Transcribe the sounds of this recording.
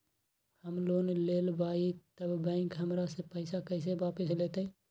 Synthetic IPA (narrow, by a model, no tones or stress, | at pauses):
həmlonelelbait̪əbbə̃ɪ̃kɦəmɾasẽpəɪsakəɪs̬ebapislet̪ə